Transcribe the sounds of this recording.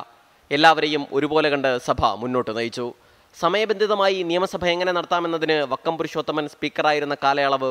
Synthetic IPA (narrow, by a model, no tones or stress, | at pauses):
e̞lːaːʋɐɾe̞jumo̞̰ɾubo̞ːleɣɐɳɖɨsɐbʱɐ̰munːo̞ːʈːɨnɐjit͡ɕːu | sɐmɐjɐbe̞nd̪ʱiðɐmaːjinijɐmɐsɐbʱɐe̞ŋːɐne̞nɐɽɐt̪ːaːme̞nːɐðinɨʋɐkːɐmpuɾiɕo̞ːd̪ːɐmɐnspiːkːɐraːjiɾunːɐkaːlɐjaɭɐʋɨ